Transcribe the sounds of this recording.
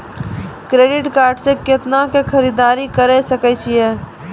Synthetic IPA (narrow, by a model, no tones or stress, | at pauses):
kɾeːɖɪʈkaːɾɖsekɪt̪nakekʰɐɾid̪aːɾikəɾɛsəkɛt͡ʃʰiɦɛː